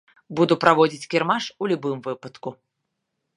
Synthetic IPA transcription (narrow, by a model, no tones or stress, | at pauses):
bud̪upɾavɔd͡zʲit͡sʲkʲirmaʂulʲubɨmvɨpɐt̪ku